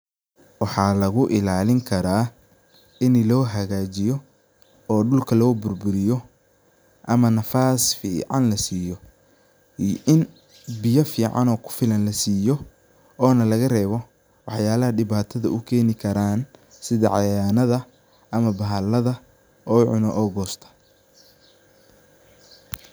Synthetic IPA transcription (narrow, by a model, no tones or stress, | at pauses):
wɑħɑːlɐɣʊʔɪlaːlɪŋkʰɐɾaː | ɪnlɔːɦɐɣaːt͡ʃɪjɔ | ɔːɖʊlkʰɐlɔːbʊrbʊɾɪjɔ | ʔɐmɐnɐfaːsfḭːʕɑ̰nlɐsiːjɔ | ʔɪn | bɪjɐfiːʕɑ̰nɔːkʰʊ̥fɪlɐnlɐsiːjɔ | ɔːnɐlɐɣɐrɛːβɔ | wɑħjaːlɐɦɐɖɪβaːt̪ʰɐðɐ̰ʔʊkʰɛːnɪkʰɐɾaːn | sɪðɐʕɑjaːnɐðɐ | ʔɐmɐbɐɦɐlːɐðɐ | ɔːʕʊ̰nɔʔɔːɡɔːst̪ʰɐ̥